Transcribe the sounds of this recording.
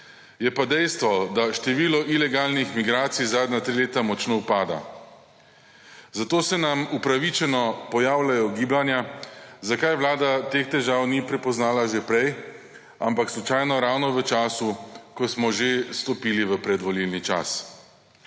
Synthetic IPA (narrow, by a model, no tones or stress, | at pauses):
jɛpad̪ɛjst̪ʋɔd̪aʃt̪ɛʋiːlɔʔilɛɡaːlnixmiɡɾaːt̪sijzaːd̪njat̪ɾileːt̪amɔt͡ʃnoupaːd̪a̰ | zat̪oːsɛnamupɾaʋit͡ʃɛnɔpɔjaːwlajɔɡiːblanjazakajʋlaːd̪at̪ext̪ɛʒaːwnipɾɛpɔznaːlaʒepɾɛj | ampakslɔt͡ʃajnɔɾawnɔʋət͡ʃaːsukɔsmɔʒest̪ɔpiːliʋəpɾɛd̪ʋɔlilnit͡ʃa̰s